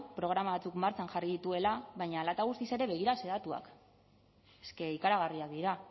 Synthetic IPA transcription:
pɾo̞ɣ̞ɾamaβat͡sukmaɾt͡sanxariðit̪ue̞laβajɲaːlat̪aɣ̞ust̪ise̞ɾe̞βe̞ɣ̞iɾase̞ðat̪ua̰k | eske̞ikaɾaɣ̞ariakd̪iɾa

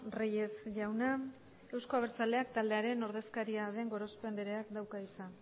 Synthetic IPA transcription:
reje̞sʝawna | e̞wsko̞aβ̞e̞ɾt͡sald̪e̞ak̚t̪ald̪e̞aɾe̞no̞ɾð̞e̞skaɾiað̞e̞ŋɡo̞ɾo̞spe̞nd̪eɾe̞akd̪awkait͡sa

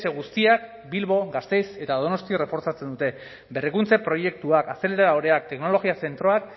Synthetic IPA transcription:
se̞ɣ̞ust̪iak | bilβo̞ɣast̪e̞jse̞t̪aðo̞no̞st̪iore̞fo̞ɾt͡sat͡se̞nd̪ut̪e̞ | be̞rikunt͡se̞pɾo̞je̞k̚t̪uakaseleɾaaoɾe̞ak̚t̪e̞kno̞lo̞ɣiase̞nt̪ɾo̞ak̚

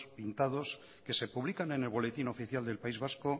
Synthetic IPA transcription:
pint̪að̞o̞s | ke̞se̞puβlikane̞ne̞lβ̞o̞le̞t̪ino̞fiθjald̪e̞lpaizβasko

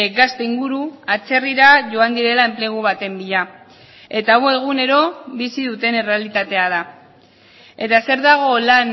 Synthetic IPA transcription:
ɡast̪eiŋɡuɾuat͡se̞riɾaʝo̞and̪iɾe̞lae̞mpleɣ̞uβat̪e̞mbiʎa | e̞t̪awe̞ɣ̞une̞ɾo̞βisiðut̪e̞ne̞re̞alit̪at̪e̞aða | et̪ase̞ɾðaɣ̞o̞lan

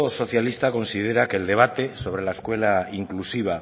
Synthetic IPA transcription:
oso̞θjalist̪ako̞nsið̞e̞ɾakeld̪e̞β̞at̪e̞so̞β̞ɾe̞laeskwe̞laiŋklusiβ̞a

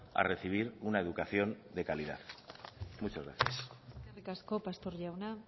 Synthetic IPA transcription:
a̰re̞θiβ̞iɾunae̞ðukaθjo̞nd̪e̞kaliða̰ð | mut͡ʃazɣɾa̰θjaserikaskopast̪oɾʝawna

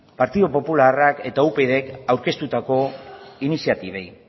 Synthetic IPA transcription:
paɾt̪iðopo̞pularake̞t̪aupe̞ðe̞kawɾke̞st̪ut̪ako̞inisiat̪iβej

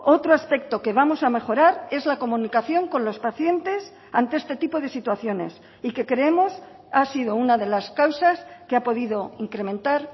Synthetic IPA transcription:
o̞t̪ɾoaspe̞k̚t̪o̞ke̞β̞amo̞same̞χo̞ɾaɾe̞zlako̞mũnikaθjo̞ŋko̞nlo̞spaθje̞nt̪e̞s | ant̪ee̞st̪e̞t̪ipo̞ð̞e̞sit̪waθjo̞ne̞̰s | ike̞kɾeemo̞s | asið̞o̞unaðe̞laskawsaskeapo̞ðiðo̞iŋkɾe̞mẽ̞nt̪aɾ

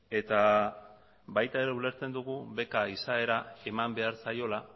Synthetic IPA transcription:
e̞t̪a | bajt̪ae̞ɾeule̞ɾt͡se̞nd̪uɣuβe̞kaisae̞ɾae̞mambe̞aɾsajo̞la

